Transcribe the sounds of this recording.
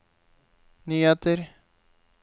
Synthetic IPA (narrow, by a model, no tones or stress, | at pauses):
nyːheːt̪əɾ